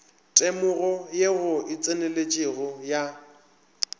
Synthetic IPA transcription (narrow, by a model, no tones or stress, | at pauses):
tʼemʊɣɔjeɣʊɪt͡sʼenelet͡ʃʼɪɣʊja